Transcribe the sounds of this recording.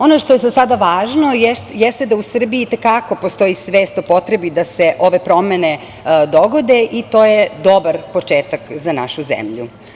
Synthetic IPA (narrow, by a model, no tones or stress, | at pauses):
o̞noʃt̪ojezasad̪aʋaːʒnojjɛst̪ed̪ausr̩biit̪ekako̞post̪o̞jisʋe̞ːst̪opo̞t̪ɾe̞bid̪ase̞ʔo̞ʋe̞pɾo̞mene | d̪o̞ɡo̞d̪e̞ʔit̪o̞ːjed̪o̞baɾpo̞t͡ʃeːt̪akzana̰ʃuzḛmʎṵ